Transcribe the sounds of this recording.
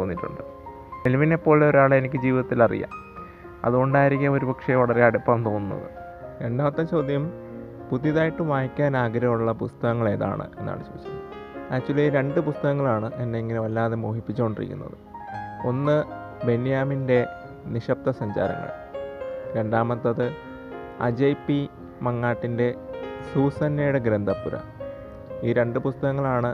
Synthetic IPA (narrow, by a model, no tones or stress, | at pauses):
oːɣnːiʈːṵɳɖɨ | elʋinepːo̞ːɭo̞ɾuaːɭenikʲːɨd͡ʑiːʋiðɐt̪ːilɐrḭjːa̰ːm | ɐ̰ðuɣo̞ɳɖaːjiɾikʲːɐo̞ɾubɐkʂeʋɐɭɐreaɽepːɐːmt̪o̞ːnːunːɐ̰ðɨ̰ | ɾe̞ɳɖaːmɐt̪ːɐmt͡ɕo̞ːd̪ʱjɐm | puðjɐðaːjiʈːɨʋaːjkʲːaːnaːɡɐɾɐmuɭːɐpust̪ɐɣɐŋːɐɭe̞ːða̰ːɳɨ̰e̞nːa̰ːɭɨt͡ɕo̰ʋit͡ɕːɐn | at͡ɕːuliɾe̞ɳɖɨpust̪ɐɣɐŋːɐɭaːɳɨɐnːeiŋːɡɐnɨʋɐlːaːðemoːhipːit͡ɕːuo̞ɳɖirḭkʲːunːɐ̰ðɨ | o̞nːɨ | be̞nijaːminde̞ | niʂɐp̚t̪ɐsɐɲd͡ʑa̰ːɾɐ̰ŋːɐ̰ɭ | ɾe̞ɳɖaːmɐt̪ːɐðɨ | ɐ̰d͡ʑejpːi | mɐŋːaːʈːinde̞suːsɐnːejuɽeɡɾend̪ʱɐpːuɾɐ̰ | iːɾe̞ɳɖɨpust̪ɐɣɐŋːɐɭaːɳɨ